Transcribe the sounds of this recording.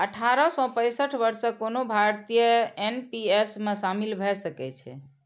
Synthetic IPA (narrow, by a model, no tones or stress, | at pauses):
əʈʰaɾɔsɔ̃pə̃jsəʈʰbəɾsəkonobʱaɾt̪ijəenpiesmesamilbʱɛsəkɛt͡ʃʰɛ̰